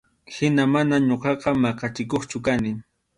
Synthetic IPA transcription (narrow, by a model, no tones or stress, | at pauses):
hɪnamanaɲoqɑqɑmɑqɑt͡ʃɪkoχt͡ʃʊkanɪ